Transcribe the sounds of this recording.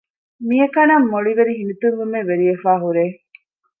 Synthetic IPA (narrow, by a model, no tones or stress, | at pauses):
miekɐnɐmːoɭiʋeɾiɦinut̪uŋʋumeʋeɾiefaːɦuɾeː